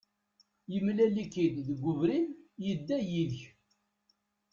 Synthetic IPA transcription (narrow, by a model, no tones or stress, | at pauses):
jəmlælikid̪ðəɡʷːʊvɾinjəd̪ːæjiðç